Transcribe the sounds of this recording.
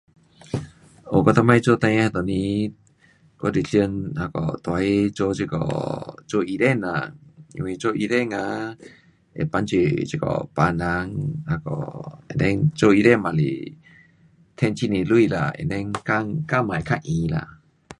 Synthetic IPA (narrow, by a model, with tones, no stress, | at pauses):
ʔo˨kɔ˧t̪a˧ma˧jt͡ʃo˧˦t̪a˧jha˧t̪o˨ni˧˦ | kɔ˧˦di˨ɬi˧nha˧kɔ̰˨t̪a˧˦jt͡ʃo˧t͡ʃi˧kɔ̰˨t͡ʃo˧ʔi˧ɾɛ˦˨na̰˨ŋḭ˧wi˧t͡ʃo˧ʔi˧ɾɛ˦˥˨ŋa˧ | ʔḛ˨pa˧˦nt͡ʃi˧˨t͡ʃi˧˨kɔ̰˨pa˧na˧ŋha˧kɔ̰˨ɛ̰˨ndɛ˧˦ŋt͡ʃo˧i˧ɾɛ˦˥˨ma˨lḭ˨ | t̪ʰɛ˧˨nt͡ʃi˧˨ni˨lu˦jla̰˨ɛ̰˨ndɛ˧˦ŋka˧ŋka˧˨ma˨jkʰa˧˨ʔʔĩ˨la̰˧˨